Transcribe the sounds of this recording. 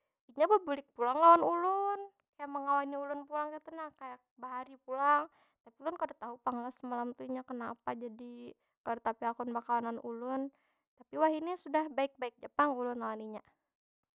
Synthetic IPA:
iɲabəbulɪk̚pulaŋlawanulʊn | kajaʔməŋawaniulʊnpulaŋkat̪unakajak̚baɦaɾipulaŋ | t̪apiulʊnkadat̪aɦupaŋlasəmalamt̪uiɲakənapad͡ʒadi | kadat̪apiakunbakawananṵlʊn | t̪apiwaɦinisudahbaɪk̚baɪk̚d͡ʒəpaŋulʊnlawaniɲa

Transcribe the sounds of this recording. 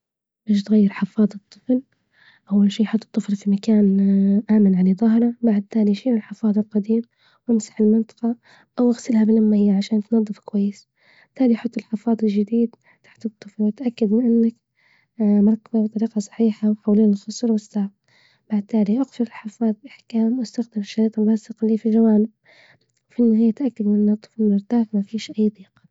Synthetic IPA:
baːʃt̪ɣajːɪɾħɪfɑːd̪ˤɨt̪ˤːɨfl | ʔawːalʃiːjħʊt̪ˤːɨ̥t̪ˤːɨflfimakaːnʔaːmɪnʕalaðˤɑɦɾˤɑbaʕd̪̚t̪aːliʃiːnɪlħɪfɑːðˤɪlqad̪iːm | wʔɪmsḁħɪlmɪnt̪ˤɑ̥qɑ | ʔawʔaɣsɪlhabɪlamːaɪjːaʕaʃaːnt̪nɑðˤːɨfkwajːɪs | ɪt̪ʰːaːlijħʊt̪ˤːɪlħɪfɑːd̪ˤɪlʒɪd̪iːd̪ | t̪ḁħt̪ɨt̪ˤːɨflwɪt̪ʔakːad̪mɪnʔɪnːak | mɑɾˤkababt̪ˤɑɾiːqɑsˤɑ̥ħiːħawħawliːaɪlxʊsˤlwɪsːaʕb̚ | b̥aʕd̪̚t̪aːliʔaɣfʊɾɪlħɑfɑːd̪ˤlʔaħkaːmwʔast̪axd̪ɪmɪʃːaɾiːt̪ɪrˤːɑːsɨqliːfiʒawaːnɪb | wfinːhiːat̪ʔakːad̪mɪnʔɪnːɨt̪ˤːɨ̥flmʊɾt̪aːxmafiːʃʔajːd̪ˤiːq

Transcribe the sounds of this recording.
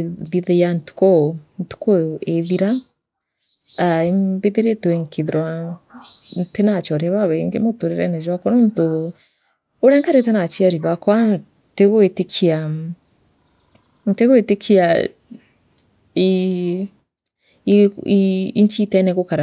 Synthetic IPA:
ðiðijantu̥kɔntu̥kɔeðiɾa | aibiðiɾetuɛŋkʰiðiɾwa | ntenat͡ʃɔɾiaβaβɛŋɡḛmotoɾeɾɛ̰nɛʒwakɔnɔn̩to | oɾɛŋkaɾetɛnat͡ʃiaɾiβakwan | teɣoetekʰia | nteɣoetekʰia | i | iiiɲt͡ʃitɛnɛɣokaɾa

